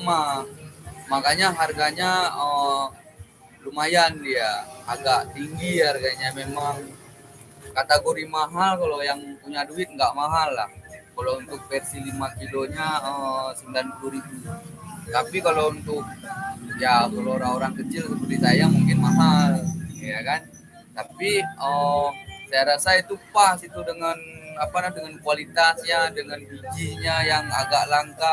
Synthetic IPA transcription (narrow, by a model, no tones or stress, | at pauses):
ma | makaɲaɦarɡaɲaə | lumajandiaaɡaʔt̪iŋɡiharɡaɲamemaŋ | kat̪aɡoɾimaɦalkalojaŋpuɲaduɪt̪̚ŋɡaʔmaɦalːahkalount̪ʊk̚pɛrsilimakiloɲaəsəndankuɾikut̪apikalount̪ʊk̚jakaloːɾaŋoɾaŋkət͡ʃɪlkət͡ʃulisajamuŋkɪnmaɦaljakan | t̪apiə | sajaɾasait̪upasit̪udəŋanapalahdəŋankualit̪asɲadəŋanpud͡ʒiɲajaŋa̰ɡaʔlaŋka